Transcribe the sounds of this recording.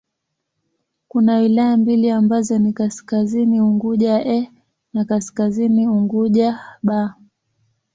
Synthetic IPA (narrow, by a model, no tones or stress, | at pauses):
kunawilajambiliambazɔnikaskaziniuŋɡuʄaʔɛ | nakaskaziniuŋɡuʄaɓa